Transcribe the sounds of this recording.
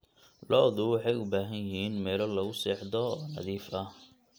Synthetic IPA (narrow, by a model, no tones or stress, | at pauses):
lɔːðʊwɑħɑjʊbaːɦɐjjɪɦiːnmɛːlɔlɐɣʊsɛːħd̪ɔɔːnɐ̰ðiːfɐ